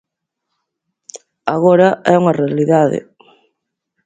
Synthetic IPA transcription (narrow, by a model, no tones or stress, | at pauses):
aɣɔɾɐʔɛuŋɐrealiðaðɪ̰